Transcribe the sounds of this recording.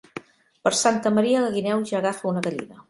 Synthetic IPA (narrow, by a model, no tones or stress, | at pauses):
pəɾsant̪əməɾiələɣinɛwʒaːɣafəunəɣəʎḭnə